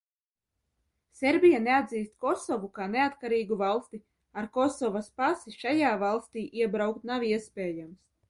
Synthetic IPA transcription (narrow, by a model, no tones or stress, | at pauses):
sʲeɾbʲijanead̪ziːst̪kɔsɔvukaːneat̪kaɾiːɡuvalˠst̪i | aɾkɔsɔvaspasiʃajaːvalˠst̪iːʔiɛbɾawkt̪nawiɛspʲeːjams